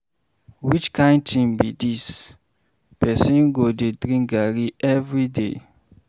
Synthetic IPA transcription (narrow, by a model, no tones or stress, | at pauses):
wit͡ʃkãɪ̃ntʰĩmbidis | pɛsĩnɡodedɾĩŋɡaɾiɛvɹidḛ